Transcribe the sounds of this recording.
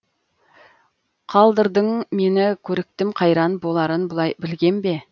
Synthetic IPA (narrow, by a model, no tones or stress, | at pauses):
qʰɑlˠd̪əɾd̪əɴme̞nɪkʲʰɵɾɪk̚t̪ɪmqʰɑjɾɑnbo̞lˠɑɾənbʊlˠɑjbɪlɡʲe̞nbe̞